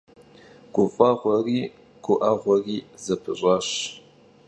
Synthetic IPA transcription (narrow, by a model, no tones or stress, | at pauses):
ɡ̥ʷʊfʼɐʁʷɔriː | ɡ̥ʷʊʔɐʁʷɔriːzɐpʰɨɕʼɑːɕ